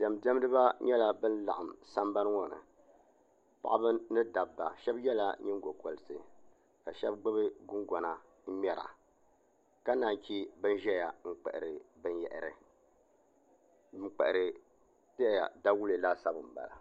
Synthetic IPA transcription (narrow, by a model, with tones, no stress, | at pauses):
dɛ˨m˨dɛ˦m˦dɨ˦βa˦ɲɛ˦la˦bɨ˦nla̰˨ʔa˨msa˦mba˦n˦ŋɔ˨nɨ̰˨ | pa̰˨ʔa˦bɨ˦nɨ˦da˨bːa˨ʃɛ˦bjɛ˦la̰˨ɲɪ˦ŋ˦ɡo˨ko˨lɨ˨sɨ˨ | ka˨ʃɛ˦b̚ɡ͡bɨ˦bɨ˦ɡʊ˦ŋɡɔ˨na˨ | m̩˦m˦ɛ˦ɾa̰˨ | ka˦naː˨n˨kʲi˦bɨ˦n˦ʒɛ˦ja˨ŋ͡m̩˦k͡pɛ̰˨ʔɪ̰˨ɾɨ˨bɨ˦njɛ̰˨ʔɾɨ̰˨ | ŋ͡m̩˦k͡pɛ̰˨ʔɨ˨ɾɨ˨ | tɨ˦a˨ja̰˨da˦wu˦le˨laː˦sa˦bɨ˨m̩˨ba̰˨la̰˨